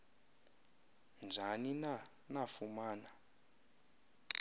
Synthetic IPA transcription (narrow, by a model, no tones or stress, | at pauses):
nd͡ʒʱanina | nafumaːna